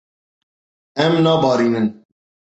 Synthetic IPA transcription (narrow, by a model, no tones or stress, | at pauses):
ɛmnɔbɑɾinən